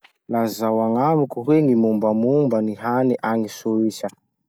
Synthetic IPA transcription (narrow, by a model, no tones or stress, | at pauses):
lazawaŋamukuɦweŋimumbamumbaniɦaniʔaŋisuisa